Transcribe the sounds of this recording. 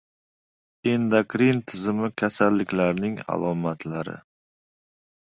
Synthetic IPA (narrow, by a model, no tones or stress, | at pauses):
ind̪akɾint̪ʰɪzɪmɪkʲʰasalːɪkʲlaɾnɪŋa̰lˠɒmat̪ʰlaɾɪ̰